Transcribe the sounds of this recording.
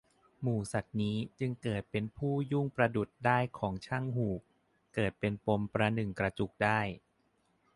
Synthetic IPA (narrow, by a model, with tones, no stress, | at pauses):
muː˨˩sa˨˩t̪̚niː˦˥t͡ɕɯ˧ŋkɤː˨˩t̪̚pe˧npʰuː˥˩ju˥˩ŋpɾa˧du˨˩t̪̚daː˥˩jkʰɔː˩˦ŋt͡ɕʰa˥˩ŋɦuː˨˩k̚ | kɤː˨˩t̪̚pe˧npo˧mpɾa˧nɯ˨˩ŋkɾa˧t͡ɕu˨˩k̚daː˥˩j